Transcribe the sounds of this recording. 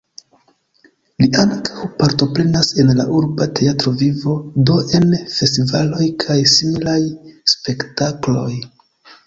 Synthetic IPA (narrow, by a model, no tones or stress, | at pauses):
liʔaŋkʰḁwpaɾto̞pɾe̞nase̞nla̰ʔuɾbate̞atɾo̞vivo̞do̞ʔe̞nfe̞stivalo̞jkʰajsimilajspe̞ktaklo̞j